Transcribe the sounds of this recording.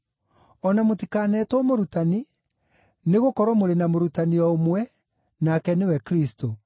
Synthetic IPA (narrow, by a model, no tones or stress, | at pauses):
ɔnamotikaːnɛtwɔmoɾutani | neɣokɔɾɔmoɾenamoɾutaniɔomwɛ | nakɛnewɛkɾisto